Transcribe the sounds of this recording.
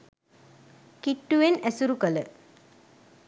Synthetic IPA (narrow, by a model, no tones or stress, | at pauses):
kiʈːuʋenæsuɾukələ